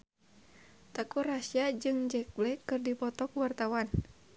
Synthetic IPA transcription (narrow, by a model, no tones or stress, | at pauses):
t̪akurasiad͡ʒɨŋd͡ʒɛk̚blɛkɨrdipɔt̪ɔkuwart̪awan